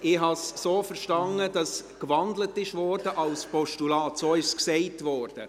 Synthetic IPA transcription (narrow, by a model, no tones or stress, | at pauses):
ɪhɦɑsːoːfəɾʃtɑnːəd̥ɑskvɑndlətɪʃvɔːɾdəʔɑlspɔʃtulɑːtsoːɪʃsksɛɪtvɔːɾd̥ə